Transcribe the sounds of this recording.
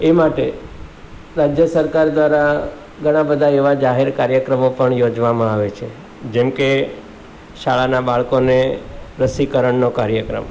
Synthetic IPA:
emaʈe | ɾad͡ʒjəsəɾkaɾd̪ʋaɾa | ɡʱəɽ̃ãbəd̪ʱaeʋad͡ʒaɦeɾkaɾjəkɾəmopəɳjod͡ʒʋamãaʋet͡ʃʰe | d͡ʒɛmke | ʃaɭanabaɭkoneɾəsikəɾəɳnokaɾjəkɾə̰m

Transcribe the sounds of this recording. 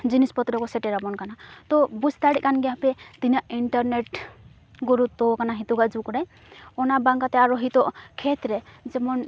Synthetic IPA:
d͡ʒinispɔt̪ɾɔkɔsɛʈɛɾabɔnkanat̪ɔbust̪aɽiʔkanɡɛɦapɾɛt̪injaʔiɳʈɔɾneʈ | ɡuɾut̪ːɔkanaɦit̪uɡad͡ʒukɔɾaj | ɔnabaŋkat̪ɛaɾɔɦit̪ɔʔkʰet̪ɾɛzɛmɔn

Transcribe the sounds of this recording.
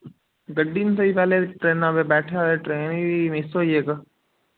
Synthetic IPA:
ɡəɖiːnsəipɛːleʈɾeːnaːbebɛːʈʰeaeʈɾeːnmesoːieːkə

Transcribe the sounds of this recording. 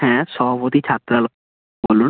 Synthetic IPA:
ɛ̃sɔɦbot̪it͡ʃʰat̪ɾal | bolun

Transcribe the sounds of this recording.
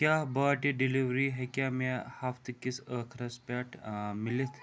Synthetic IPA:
kjabəʈeɖiliʋɾiɦɛkjamahaft̪əkːisəkʰɾaspaʈmilet̪

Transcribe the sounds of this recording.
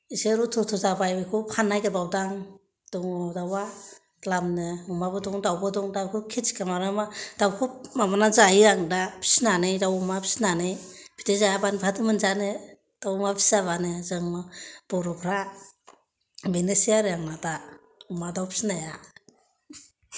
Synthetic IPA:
iseɾutʰɔtʰɔzabajbɯkʰupʰanːajɡabawdaŋ | d̥ɔŋɔdawa | lamnɯumabɯdɔŋdawbɯdɔŋdawkʰukʰisi̥kamaɾɯmad̥awkʰumamanazaiɾaŋdapʰi̥snanɯjdawumapʰi̥snanɯjpʰi̥tʰezajabanbʰatʰɯmɯnzanɯ | d̥awumapʰi̥saβanɯzɯŋmab̥ɔɾɔpʰɾa | benesijaɾjaŋnada | umadawpʰi̥snaja

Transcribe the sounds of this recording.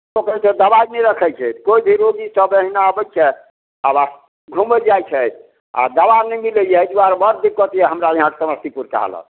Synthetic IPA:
okɾesə̃d̪əbainɛjɾəkʰɛjt͡ʃʰɛt̪koibʱiɾoɡisəbəɦinaəbɛt͡ʃʰɛ | aba | ɡʱuməld͡ʒajt͡ʃʰɛt̪ʰ | a̰d̪əbanɛjmiləjɛd͡ʒuaɾbəɾd̪ikːɔt̪ijɛɦəmɾajeɦãkesəməst̪ʰipuɾka̰ɦə̰lə̰

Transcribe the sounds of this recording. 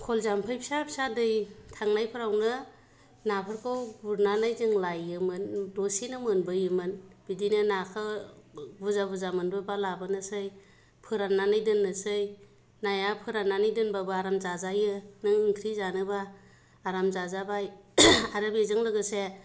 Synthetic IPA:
kʰolzampʰɯjpʰi̥sapʰisadɯjtʰaŋnajpʰɯɾawnɯ | napʰɯɾkʰɯwbuɾnanajzɯŋlajɯmɯndosinɯmɯnbɯjɯmɯnb̥idinɯnakʰɯ | buzabuzamɯnbɯbalabɯnɯsɯj | pʰɯɾanːanajdɯnːɯsɯj | najapʰɯɾanːanɯjdɯnbabaaɾamzazajɯnɯŋɯŋtʰɾizanɯbaː | ɾamzazabajaɾɯbezɯŋlɯɡɯse

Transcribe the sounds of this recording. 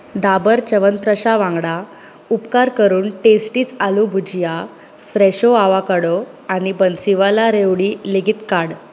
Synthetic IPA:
d̪abəɾt͡ɕəʋənpɾəɕaʋãŋɡɽa | upkaɾkəɾuːnʈesʈiːt͡salubʱud͡ʑja | fɾɛɕoaʋakəɽo | añibənsiʋalaɾeʋɽiːleɡʱit̪kaɽ

